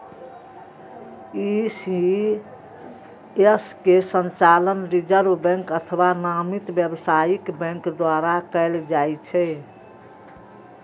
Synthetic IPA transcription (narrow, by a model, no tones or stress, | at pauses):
isi | eskesə̃nt͡ʃalənɾid͡ʒəɾbbɛ̃ŋkət̪ʰəwanamit̪bjəbsajikbɛ̃ŋkd̪waɾakəɪld͡ʒajt͡ʃʰɛ